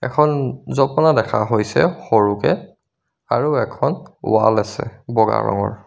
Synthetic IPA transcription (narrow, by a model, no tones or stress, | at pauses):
ɛkʰɔnzɔpɔnadɛkʰaɦojsɛ̰xoɹukɛ | aɹuɛkʰɔnwalasɛ̰bɔɡa̰ɹɔ̰ŋɔɹ